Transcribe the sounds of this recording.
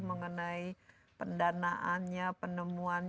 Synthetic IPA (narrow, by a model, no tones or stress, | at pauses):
məŋənai | pəndanaʔanɲapənəmuanɲ